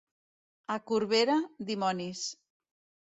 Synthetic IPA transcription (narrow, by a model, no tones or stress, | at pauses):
akuɾβeɾad̪imɔnis